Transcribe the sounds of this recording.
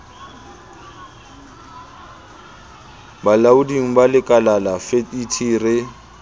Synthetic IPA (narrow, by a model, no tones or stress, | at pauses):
balaudiŋ̩balɪkʼalalafeitʰiːrɪ